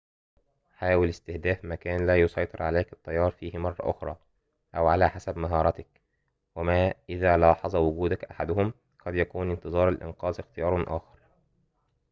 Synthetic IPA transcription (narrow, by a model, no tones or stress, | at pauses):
ħaːwɪlɪst̪ɪhd̪æːfmækæːnlæːjosˤɑjt̪ˤɨɾʕaleːkɪt̪ˤːɑjːɑːɾˤfiːhmɑrˤːɑ̰ʔʊxɾˤɑː | ʔæwʕalæːħasæbmaɦɑːɾˤɑt̪ak̚ | wæmæːʔɪðæːlɑːħɑzˤɑwʊɡuːd̪akʔaħad̪ʊhʊm | qɑd̪jækuːnɪnt̪ɨzˤɑːɾˤalʔɪ̰nqɑːzɪxt̪ɪjɑːɾˤɑnʔa̰ːxɑɾˤ